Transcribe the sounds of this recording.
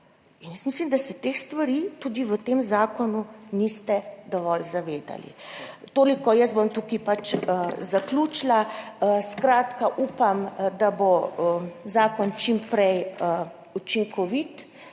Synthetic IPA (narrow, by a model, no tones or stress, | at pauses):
injɛsmislimd̪asɛt̪exst̪ʋaɾit̪uːd̪iʋət̪eːmzaːkɔnunist̪ɛd̪ɔʋɔlzaʋeːd̪a̰lḭt̪oːlikɔjəsbomt̪uːkipat͡ʃzakluːt͡ʃlaskɾaːt̪kaʔuːpamd̪aboəzaːkɔnt͡ʃimpɾɛj | ut͡ʃiŋkɔʋit̪